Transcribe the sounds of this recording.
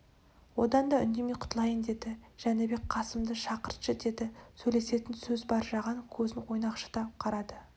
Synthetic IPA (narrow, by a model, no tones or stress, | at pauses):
wo̞d̪ɑnd̪ɑʏ̰nd̪e̞me̞jqʰʊ̥t̪əlˠɑjənd̪e̞d̪ɪʒ̥ænɪbe̞k̚ʲqʰɑsəmd̪əʃɑqəɾt̪ʃəd̪e̞d̪ɪsɵjle̞se̞t̪ɪnsɵzbɑɾʒɑʁɑnkʲʰɵzɪnwo̞jnɑqʃə̥d̪ɑqʰɑɾɑd̪ə